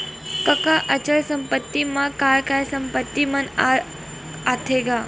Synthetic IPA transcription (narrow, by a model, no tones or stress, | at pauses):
kəkaʔət͡ɕəlsəmpət̪ːimakaɭkajsəmpət̪ːimənaɾ | at̪ʰeɡa